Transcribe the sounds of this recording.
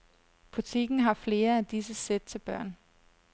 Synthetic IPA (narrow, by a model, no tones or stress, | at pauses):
b̥ut͡sʰiɡ̥n̩ɦɑ̈fle̝ːɐæd̥isəsed̥̚t͡sʰe̝lb̥ɶɐ̰n